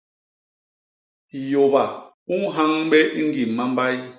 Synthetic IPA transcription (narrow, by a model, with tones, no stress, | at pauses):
jo˨ba˨ | u˦ŋɦa˦ŋɓɛ˦ʔi˦ŋ˦ɡi˨mːa˦mba˦j